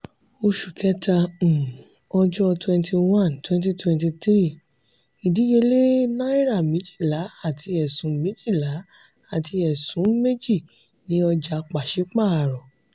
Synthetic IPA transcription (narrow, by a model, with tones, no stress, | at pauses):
o˧ʃu˨kɛ˦tã˧˨ | ɔ˧d͡ʒɔ˦twɛ̃˧ntʰi˧wã˦˨ntwɛ̃˧nt̬i˦twɛ̃˧nti˧tɾi˦˨ | i˨di˨˦je˧le˦nã˦i˦ɾa˦˨mĩ˨˦d͡ʒi̥˦˨la˨˦a˦˨tʰi˧ɛ˨sũ˨˦mẽ˨˦d͡ʒi˦˨la˨˦ | a˦˨tʰi˧ɛ˨sũ˨˦me˦d͡ʒi˦˨ | nĩ˦ɔ˧d͡ʒa˧k͡pa˨ʃe˨˦k͡pa˦˨a˨ɾɔ˨